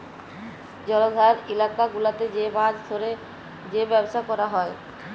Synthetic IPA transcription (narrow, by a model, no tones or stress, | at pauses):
d͡ʑɔlod̪ʱaɾilakaɡulat̪ed͡ʑebadt̪ʰoɾe | d͡ʑebɛboʃakɔɾaɦɔe